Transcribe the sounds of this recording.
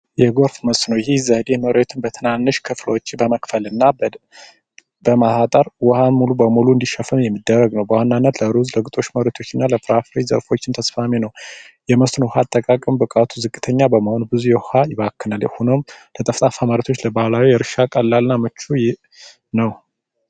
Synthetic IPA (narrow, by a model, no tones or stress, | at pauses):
jɛɡo̞ɾfməst̪nəwjɪhezəhɨd̪enoɾet̪ʰɨnbət̪ʰɨnanːɨʃkʰɨfləwt͡ʃːbəməkfəlɨnːa | bəmaat̪ʼəɾwɔhanmulubəmuluɨnd̪iʃəfəmjɛmːid̪ːərːəɡnəwbəhanːanːət̪ləɾuzləɡɨt̪ʼo̞t͡ʃːməɾət̪ʰo̞t͡ʃːɪnːaləfɾafɾezə̰ɾfo̞t͡ʃːɪnt̪ʰəsfamenəw | jɛməst̪nəwhat̪ʼːəkʼakʼəmbəkʼat̪ʰuzɨkʼːɨt̪ʰəɲːabəməho̞nbɨzujɛhhajɪβakːɨnalhunomlət̪ʼəft̪ʼafamaɾət̪ʰo̞t͡ʃːləbahlawijɛɾɨʃakʼəlːalɨnːamɨt͡ʃːu | nəw